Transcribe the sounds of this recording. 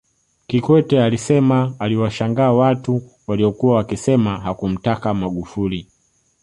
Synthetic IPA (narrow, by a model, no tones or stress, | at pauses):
kikwɛtɛalisɛmaːliwaʃaŋɡaːwatu | waliɔkuwawakisɛmaɦakum̩takamaɠufuli